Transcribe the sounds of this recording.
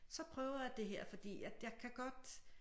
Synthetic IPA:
sɒ̽pʰʁœːʊɐjad̥e̝ɦeɐ̰fɒ̽d̥ḭːjæ̥jɑɪkʰæɡ̥ɒ̽d̥

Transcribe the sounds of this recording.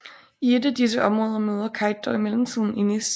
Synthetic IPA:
ie̝d̥æd̥is̬əʔɒ̽mʁɔ̽ːð̞ˠɐmøːð̞ˠɐkʰɑ̈ɪd̥ɒimelm̩t͡sʰið̰ˠn̩inis

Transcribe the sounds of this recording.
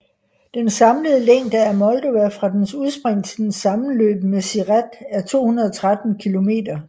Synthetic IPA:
d̥ensɑ̈mləð̞ˠleŋ̰d̥ææɐmɒ̽ld̥o̝æfʁɑ̈d̥ensuð̞ˠsb̥ʁeŋ̰t͡sʰe̝d̥ensɑ̈mn̩lø̰ːb̥̚mesiʁæd̥æɐt͡sʰo̝̰ːhunɐð̞ˠɒt͡sʰʁad̥n̩kʰilo̝me̝̰ːdɐ

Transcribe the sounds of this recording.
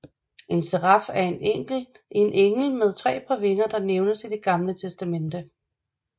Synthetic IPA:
ʔe̝nseʁɑfæɐe̝neŋ̰ɡ̥l̩ | ʔenʔeŋl̩með̞ˠt͡sʰʁɛ̰ːpʰɑ̈ʋe̝ŋɐd̥ɑ̈neʊnəsid̥e̝ɡ̥ɑ̈mlət͡sʰesd̥æmen̰d̥ə

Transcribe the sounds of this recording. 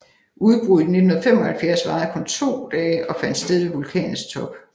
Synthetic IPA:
ʔuð̞ˠb̥ʁuðˠne̝d̥nhunɐfem̰ɒ̽hælfjæɐsʋɑ̈ːð̩ˠkʰɔ̽nt͡sʰo̝̰ːd̥ɛːɪʔɒ̽fæn̰d̥sd̥eð̞ˠʋeʋulkʰɛ̰ːn̩ˠst͡sʰɒ̽b̥

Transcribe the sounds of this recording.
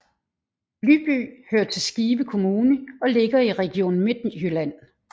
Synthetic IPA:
lyb̥y̰ːhøːɐt͡sʰe̝lsɡ̥iːʋəkʰo̝muːnəɒ̽le̝ɡ̥ɐiʁɛɡ̥io̝̰ːnn̩me̝d̥nihylæn̰

